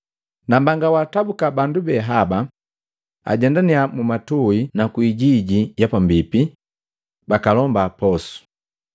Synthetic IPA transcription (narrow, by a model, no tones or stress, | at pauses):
nambaŋɡawaːtabukabandubɛɦaba | a̰ɟɛndaniamumatuinakwiːɟiɟijapambipi | bakalɔmbapɔsu̥